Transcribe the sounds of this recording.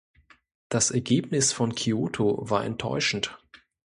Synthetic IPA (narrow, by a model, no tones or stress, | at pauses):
d̥asʔɛɐɡeːp̚nɪsfɔnkʰioːtʰovaːɐʔɛ̰ntʰːɔ̰ʏʃn̩t